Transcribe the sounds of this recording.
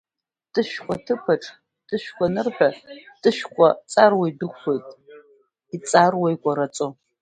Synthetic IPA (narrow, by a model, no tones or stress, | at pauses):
tʰʼɨʃkʷʼɔtʰɨpʰɐʈ͡ʂʼ | tʰɨʃkʷɔnɨrħʷᶣɔtʰʼɨʃkʷʼɔt͡sʼarwejdɨχʷɨtʼ | it͡sʼaːrwejkʷʼɔɾɐt͡sʼo